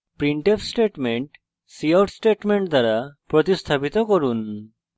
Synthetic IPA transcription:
pɾiɳʈepʰsʈeʈmeɳʈ | siawʈsʈeʈmeɳʈ̚d̪ʱaɾapɾɔt̪ist̪ʰapit̪ɔkɔɾun

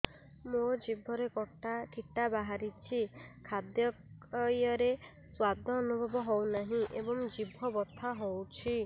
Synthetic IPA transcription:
mod͡ʒibʱɔɾekɔʈakʰiʈabaɦaɾit͡ʃʰikʰad̪jɔjɔɾe | swad̪ʱɔːnubʱɔbɔɦɔwnaɦĩʔebɔŋd͡ʒibʱɔbɔt̪ʰaɦowt͡ʃʰi

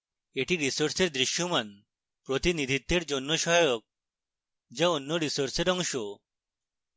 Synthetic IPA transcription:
eʈiɾisoɾseɾd̪ɾiʃjoman | pɾot̪inid̪ʱit̪ːeɾd͡ʒonːoʃɔjok̚ | d͡ʒaonːoɾisoɾseɾɔŋʃo

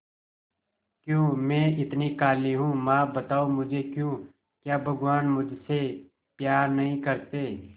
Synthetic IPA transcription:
kjõːmɛ̃ːɪt̪nikaːliɦũːmãːbɐt̪aːomʊd͡ʒʱekjõː | kjaːbʱɐɡwaːnmʊd͡ʒʱse | pjaːɾnɐɦĩkɐɾt̪eː

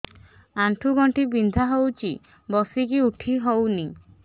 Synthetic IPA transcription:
aɳʈʰuɡɔɳʈibind̪ʱaɦowt͡ʃʰi | bɔsikiuʈʰiɦowni

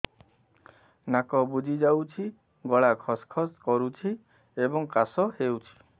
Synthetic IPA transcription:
nakɔbud͡ʒʱid͡ʒawt͡ʃʰi | ɡɔɭakʰɔskʰɔskɔɾut͡ʃʰi | ebɔŋkasɔɦewt͡ʃʰi̥

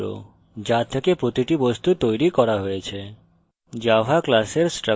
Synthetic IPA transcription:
o̰ | d͡ʑat̪ʰekepɾot̪iʈibɔst̪ut̪ojɾikɔɾaɦojet͡ɕʰe | d͡ʑabʱaklaseɾsʈɾə

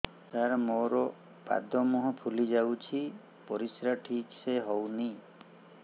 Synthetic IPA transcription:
t̪aɾɔmoɾɔ | pa̰d̪ɔmɔɦɔ̃pʰulid͡ʒawt͡ʃʰi | pɔɾisɾaʈʰikseɦɔwni

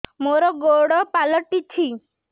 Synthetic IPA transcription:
moɾɔɡoɽɔpalɔʈit͡ʃʰi

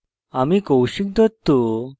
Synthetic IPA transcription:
amikowɕik̚d̪ət̪ːo

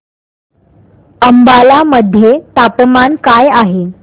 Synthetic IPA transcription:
əmbalaməd̪ʱːjet̪apmankajaɦe

